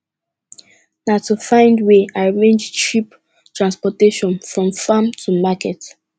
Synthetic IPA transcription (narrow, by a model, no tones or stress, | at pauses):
natʰufãɪ̃ndweaɪɹẽnd͡ʒʃip | tʰɹãnspɔteʃɔ̃nfɹɔ̃mfamtʰumakɛt